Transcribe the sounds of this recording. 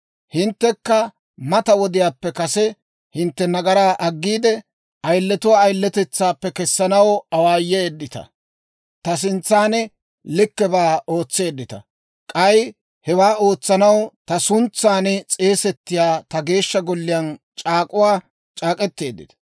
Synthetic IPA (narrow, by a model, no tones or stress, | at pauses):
hɪnt̪ːɛkːɐ | mɐt̪ɐwɔd̪ɪjaːpːɛkɐsɛ | hɪnt̪ːɛnɐɡɐɾaːʔɐɡːiːd̪ɛ | ɐjlːɛt̪ʊwaːjlːɛt̪ɛt͡sːaːpːɛkɛsːɐnɐwɐwaːjːɛːd̪ːɪt̪ɐ̰ | t̪ɐs̬ɪnt͡sːaːnɛ | lɪkːɛbaːo̞ːt͡sːe̞ːd̪ːɪt̪ɐ̰ | kʼɐj | hɛwaːo̞ːt͡sːɐnɐwt̪ɐsʊnt͡sːaːnɛt͡sʼe̞ːsɛt̪ːɪjaːt̪ɐɡe̞ːʃːɐɡɔlːɪjɐn | t͡ʃʼaːkʼʊwaː | t͡ʃʼaːkʼɛt̪ːe̞ːd̪ːɪt̪ɐ̥